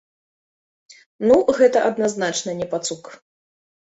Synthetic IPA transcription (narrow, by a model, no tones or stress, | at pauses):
nuɣɛt̪ɐʔɐd̪naznat͡ʂnɐnʲɛpat̪suk